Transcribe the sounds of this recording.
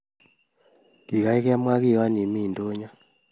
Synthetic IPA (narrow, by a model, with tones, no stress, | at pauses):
ki˨ka˨˦i˦ka˦mwa˦ki˦˨a˦ni˨mi˦˨ndo˦ɲɔ˦